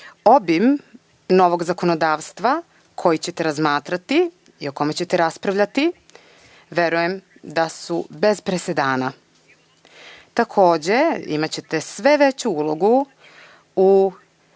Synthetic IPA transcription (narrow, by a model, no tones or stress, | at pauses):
o̞bim | no̞ʋo̞ɡzako̞no̞d̪aːʋst̪ʋa | kʰo̞jit͡ɕe̞t̪e̞ɾazmaːt̪ɾat̪i | io̞ko̞me̞t͡ɕe̞t̪eɾaspɾaʋʎat̪i | ʋe̞ɾuje̞m | d̪asube̞zpɾese̞d̪aːna | t̪akʰo̞ːd͡ʑe̞ḭmat͡ɕe̞t̪e̞sʋe̞ʋe̞t͡ɕuulˠo̞ɡu | u